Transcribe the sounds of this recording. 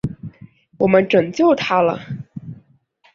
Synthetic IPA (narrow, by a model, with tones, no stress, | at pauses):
wɔ˨˩mə˦nʈ͡ʂɤ˨˩ŋt͡ɕjo˥˩ʊt̪ʰa˥lə̰˨˩